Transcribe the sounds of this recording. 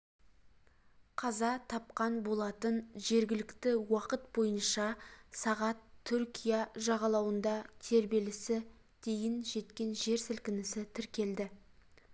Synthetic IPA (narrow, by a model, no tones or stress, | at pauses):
qʰɑzɑt̪ʰɑpqɑnbo̞lˠɑt̪ənʒe̞ɾɡʲɪlɪkt̪ɪwɑqət̪̚bo̞jənʃɑsɑʁɑt̪ʰːʏɾkʲijɑʒɑʁɑlˠɑwənd̪ɑt̪ʰe̞ɾbe̞lɪsɪ | d̪̥e̞jɪnʒe̞t̪kʲe̞nʒe̞ɾsɪlkʲɪnɪsɪt̪ʰɪɾkʲe̞ld̪ɪ